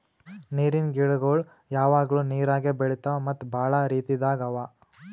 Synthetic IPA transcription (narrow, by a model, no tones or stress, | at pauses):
niːɾinɡiɭɡoːɭ | jaːʋaːɡɐɭuniːɾaːɡebeɭit̪amɐt̪ːbʱaːɭɐɾiːt̪id̪aːɡɐʋa